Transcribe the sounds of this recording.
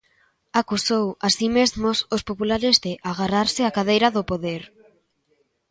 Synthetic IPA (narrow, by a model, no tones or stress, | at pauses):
akusowasimezmʊsʊspopulaɾɪzðɪʔaɣaraɾsɪakaðejɾaðʊpoðeɾ